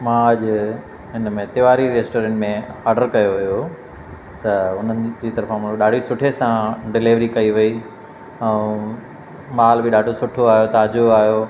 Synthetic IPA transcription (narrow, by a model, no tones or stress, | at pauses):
mãːɐʄ | ɦɪnmẽt̪ɪʋaːɾiɾeːsʈoːɾɛ̃ːɳʈmẽaːɾɖəɾkɐjoʋijo | t̪ɐʊn̤ənɪ̆d͡ʑiːt̪ɐɾfãmʊ̃oɗaːɖ̤ʱisʊʈʰesãɖɪlɪʋɾikɐiʋɐi | ɛ̃ː | maːlbɪɗaːɖʱosʊʈʰoaːɦjot̪aːd͡ʑoaːɦijo